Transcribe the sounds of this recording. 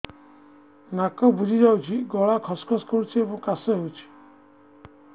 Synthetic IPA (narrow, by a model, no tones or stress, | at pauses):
nakɔbud͡ʒʱid͡ʒawt͡ʃʰiɡɔɭakʰɔskʰɔskɔɾut͡ʃʰiebɔ̃ŋkasɔɦewt͡ʃʰi̥